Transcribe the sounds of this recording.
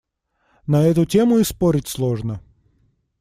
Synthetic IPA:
nɐɛt̪ʊtʲemʊɪspoɾʲɪtʲslˠoʐnə

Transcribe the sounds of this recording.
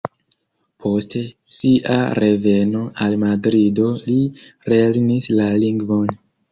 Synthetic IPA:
pʰo̞ste̞ | siʔa̰ɾʔe̞ve̞no̞ʔalmadɾido̞liɾelnislaliŋɡvo̞n

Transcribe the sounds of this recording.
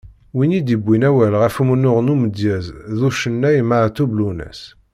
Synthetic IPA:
winid̪ibːinæwælʁæfumunːʊʁnuməd̪jæzðuʃənːæjmaʕt̪ːublunæ̰s

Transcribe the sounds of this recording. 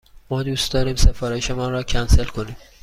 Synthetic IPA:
mɒːd̪uːst̪d̪ɒːɾiːmse̞fɒːɾeʃemɒːnrɒːcʰænse̞lkʰo̞niːm

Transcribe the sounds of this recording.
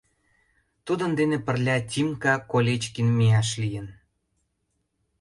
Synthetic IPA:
t̪ud̪ə̆nd̪enepə̆rlʲɑtʲimkɑkolʲet͡ɕkinmijɑʃlijən

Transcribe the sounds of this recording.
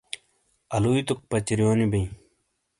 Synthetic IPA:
ɐluit̪uk̚pɐt͡ɕiɾijoːnibɐj̃

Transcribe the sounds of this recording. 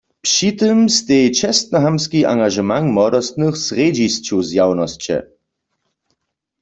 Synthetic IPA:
pʃit̪ɨmst̪ejt͡ʃɛst̪̚naɦamskiʔa̰ŋɡaʒɛmanmɔd̪ɔst̪nɨxsʁed͡ʑist͡ɕuzjawnɔst͡ɕɛ̰

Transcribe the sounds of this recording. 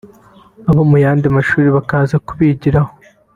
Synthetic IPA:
aβomujaːndimaʃuːɾiβakaːzakuβiɟiɾaho

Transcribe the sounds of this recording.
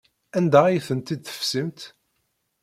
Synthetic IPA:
ænd̪æijθənt̪id̪θə̥fsimt̪

